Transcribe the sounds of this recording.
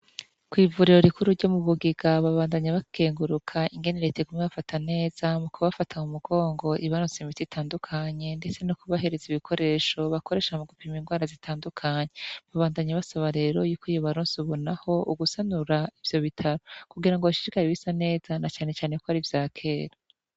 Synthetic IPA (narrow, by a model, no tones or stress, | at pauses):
kwiːvuɾiɾo̞ɾikuɾuɾɟomuβuɡiɡaβaβaːndaɲaβakʰe̞ːŋɡuɾukʰaʔiŋɡe̞neɾeteɡumŋeβafatʰane̞ːz̥amukuβafatʰaumuɡo̞ːŋɡo̞ʔiβaɾoːsemitiitʰaːndukʰaɲe̞nde̞t͡se̞nokuβaɦe̞ɾe̞ziβikʰo̞ɾe̞ʃo̞βako̞ɾe̞ːʃamuɡupiminɡwaːɾazitʰaːndukʰaɲeβaβaːndaɲaβasaβaɾe̞ːɾo̞juːkijoβaɾoːnsuβonaho̞uɡusanuɾaivjo̞βitʰaɾo̞kuɡiɾaŋɡoβaʃi̥ɾikaɾiβisane̞ːz̥anat͡ʃaːne̞t͡ʃaːnekoaɾivjaːkʰe̞ːɾa